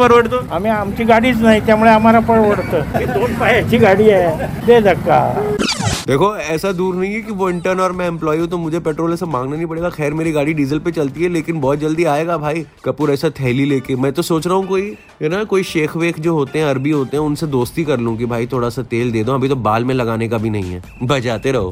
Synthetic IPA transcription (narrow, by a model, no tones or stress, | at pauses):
pɐɾʋəʈd̪oːɦɐmẽɦɐmt͡ʃiɡaːɽisnaːit̪ɛmɽeɦɐmaːɾapəɽʋəɽt̪jed̪oːnpaiɛt͡ʃʰiɡaːɽiɛd̪eːd̪ɐkːa̰ | d̪eːkʰoɛːsad̪uːɾnɐɦĩɦɛkiʋoɪ̃ɳʈəɾnɔːɾmɛ̃ɛ̃mplɔːiũt̪omʊd͡ʒʱepɛːʈɾoːlɛːsamãːŋɡnanɐɦĩpɐɽeːɡaxɛːɾmeːɾiɡaːɽiɖiːzəlpet͡ʃɐlt̪iɦɛleːkɪnbɔːt̪̚d͡ʒɐld̪iaːeːɡabʱaːikɐpuːɾɛːsat̪ʰɛːlileːkemɛ̃ːt̪osoːt͡ʃɾɐɦũkoːi | ɦɛnakoːiʃeːkʰʋeːkʰd͡ʒoːɦoːt̪eɦɛ̃ɐɾbiɦoːt̪eɦɛ̃ʊnsed̪oːst̪ikɐɾlũk̬ibʱaːit̪ʰoːɽasat̪eːld̪eːd̪oɐbʱit̪̬obaːlmẽlɐɡaːnekabʱinɐ̰ɦḭ̃ɦɛ̰ː | bɐd͡ʒaːt̪eɾɐɦo̰ː